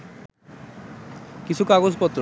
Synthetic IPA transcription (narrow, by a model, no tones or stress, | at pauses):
kit͡ɕʰukaɡod͡ʑpɔt̪ːɾ